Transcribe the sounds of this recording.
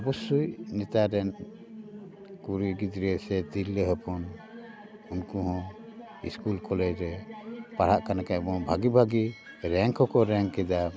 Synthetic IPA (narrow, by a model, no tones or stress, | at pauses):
ɔbɔsujnɛt̪aɾɛn | kuɾiɡid̪ɾisɛt̪ilːəɦɔpʰɔn | unkuɦɔ̃ | ḭskulkɔlɛɾɛpaɾ̤aʔkanakabɔbʱaɡibʱaɡi | ɾɛŋkʰɔkɔɾɛŋkɛd̪a